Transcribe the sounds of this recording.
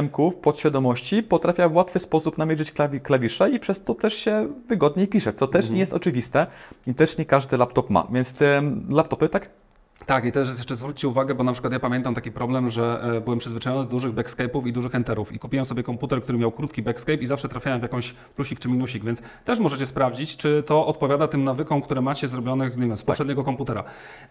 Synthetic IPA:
ɛmkufpɔt̪ɕfʲjad̪ɔmɔɕt͡ɕipɔt̪ɾafʲjavwat̪fɘspɔsupnamʲjɛʐɘt͡ɕklavʲiklavʲiʂɛipʂɛst̪ɔt̪ɛʂɕɛvɘɡɔd̪ɲɛjpʲiʂɛt̪sɔt̪ɛʂɲɛjɛst̪ɔt͡ʂɘvʲist̪ɛit̪ɛʂɲɛkaʐd̪ɘlapt̪ɔpma̰vʲjɛnt̪st̪ɛlapt̪ɔpɘt̪ak | t̪akit̪ɛʂ̬jɛʂt͡ʂɛzvɾut͡ɕːt͡ɕɛuvaɡɛbɔnapʂɘ̥kwat̪japamʲɛnt̪amt̪akʲipɾɔblɛmʐɛbɘwɛmpʂɘzvɘt͡ʂajɔnɘd̪d̪uʐɘɣbɛkskɛjpufid̪uʐɘxɛnt̪ɛɾufḭkupʲiwɛmsɔbjɛkɔmput̪ɛɾk̚t̪uɾɘmʲjawkɾut̪kʲibɛkskɛjpizafʂɛt̪ɾafʲjawɛmvjakɔ̃mɕ | pluɕikt͡ʂɘmʲinuɕiɡvʲɛnt̪s | t̪ɛʂmɔʐɛt͡ɕɛspɾavd͡ʑit͡ɕt͡ʂɘt̪ɔʔɔt̪̚pɔvʲjad̪at̪ɘmnavɘkɔ̃w̃kt̪uɾɛmat͡ɕɛzɾɔbʲjɔnɘɲɛvʲjɛmspɔpʂɛd̪ɲɛɡɔkɔmput̪ɛɾa̰

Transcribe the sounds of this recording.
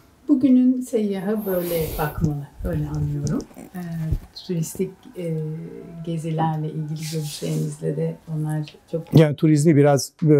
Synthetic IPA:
buɟynynsejːaɦabø̞jlʲɛbakmalˠabø̞jlʲɛanːɯjo̞ɾumː | t̪ʰuɾist̪ʰicː | ɟe̞zilʲæɾlɛʔilʲɟilʲiɟøɾyʃlʲeɾimizlʲɛd̪ɛo̞nlˠaɾ̥t͡ʃʰo̞kjaːnit̪ʰuɾizmibiɾaz̥bø

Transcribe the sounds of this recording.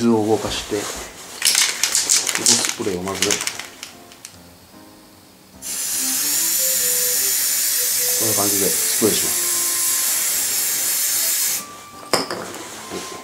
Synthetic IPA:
zɨo̞ɡo̞kaɕi̥t̪e̞ | ot̪osɨ̥pɯɾe̞omazɨɾe | sonːabãŋɡɯid̪esɨ̥kɯɾeɕimasɨ̥

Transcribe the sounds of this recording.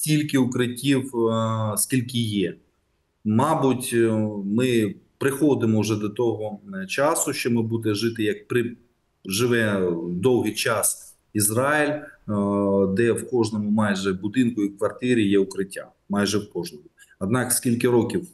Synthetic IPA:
stʲilʲkɪʊkɾɪtʲiwskʲilʲkɪjɛ | mɑbʊtʲmɪpɾɪxɔd̪ɪmɔʊʒɛd̪ɔt̪ɔɦɔt͡ʃɑsʊʃt͡ʃɔmɪbud̪ɪʒɪt̪ɪjɐkpɾɪ | ʒɪʋɛd̪ɔwɦɪjt͡ʃɑs | izɾɑɪlʲ | d̪ɛwkɔʒnɔmʊmɑjʒɛbʊd̪ɪnkʊiwkʋɐrt̪ɪɾʲijɛʊkɾɪtʲːa̰ | mɑjʒɛwkɔʒnɔmʊɐd̪̚nɑkskʲilʲkɪɾɔkʲiw

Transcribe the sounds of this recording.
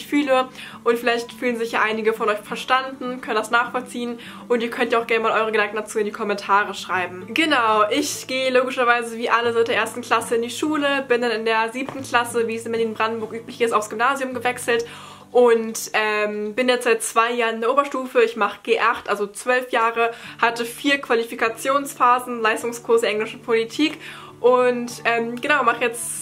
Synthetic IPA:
çfyːləʔʊntfɪlaɪçtfyːlənzɪçjaːʔaɪnɪɡəfɔnʔɔʏçfɛɐʃtandn̩kʰœnənd̥asnaːχfɔlt͡siːən | ʔʊntiːɐkʰœntjaːaʊxɡ̥ɛɐnəmaːlʔɔʏʁəɡədaŋk̩̚d̥at͡suːɪndiːkʰɔmɛntʰaːʁ̞əʃʁ̥aɪbm̩ɡ̥ənaʊʔɪçɡ̥eːəloːɡɪʃɐvaɪzəviːʔaləzaʊt̚d̥eːɐʔeːɐstn̩kʰl̥asəɪndiːʃuːləb̥ɪndanɪndeːɐziːptn̩kʰl̥asəviːsɪmbɛɐliːnnbʁandn̩bʊɐkʔyːplɪçɪstaʊfsɡ̥ʏmnaːzjʊmɡəvɛksl̩t | ʔʊntʔɛːmbɪnjɛt͡stz̥aɪt̚t͡sv̥aɪjaːɐ̃nɪndeːɐʔoːbɐʃtuːfəɪçmaχə̥ɡ̥eːʔaχtʔalzot͡sv̥œlfjaːʁəhatəfiːɐkv̥alifikat͡sjoːnsfaːzn̩laɪstʊŋskʰʊɐsd̥eɐʔɛŋlɪʃn̩pʰolitʰiːk | ʔʊntʔɛːmɡ̥ənaʊmaχəjɛt͡s

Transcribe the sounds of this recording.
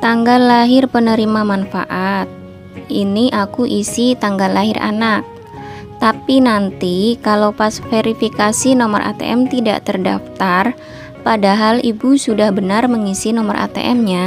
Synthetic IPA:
t̪aŋɡalːaɦɪrpənəɾimamanfa̰ʔat̪̚ | iniʔakuʔisit̪aŋɡalːaɦɪrʔa̰nak̚ | t̪apinant̪ikalawpasfeɾifikasinomə̰rʔa̰t̪ḛʔɛmt̪ida̰ʔt̪ərda̰ft̪ar | padaɦalibusudahbənarməŋisinɔməra̰t̪ḛʔɛmɲa

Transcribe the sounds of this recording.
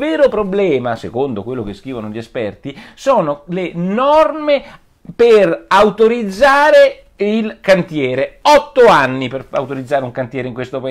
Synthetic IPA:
vɛːɾopɾoblɛːmasekond̪okwelːokeskiːvanoʎiespɛrt̪isoːnolenɔrme | perawt̪oɾid̪zːaːɾe | ilkant̪jɛːɾeɔt̪ːoanːipera̰wt̪oɾid̪zːaːɾeuŋkant̪jɛːɾeiŋkwest̪opa

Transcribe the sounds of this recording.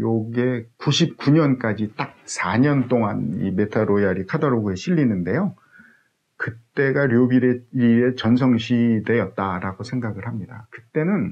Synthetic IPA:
joɡe̞kuɕʰip̚k͈uɲʌnk͈ad͡ʑit͈ak̚sʰaɲʌnt͈oŋanḭme̞tʰaɾojaɾikʰadʌɾoɡueɕʰiʎːinɯnde̞jo | kɯt͈e̞ɡaɾjobiɾeie̞t͡ɕʌnsʰʌŋɕʰide̞jʌt̚t͈aɾaɡosʰe̞ŋɡaɡɯɭɦhamɲidakɯt͈e̞nɯn

